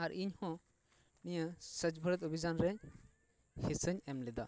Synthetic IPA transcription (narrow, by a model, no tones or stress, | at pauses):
aɾiɲhɔ̃ | nijəsət͡ʃbʱəɾət̪̬ɔbʱid͡ʒanɾɛ | hisəɲɛmlɛd̪a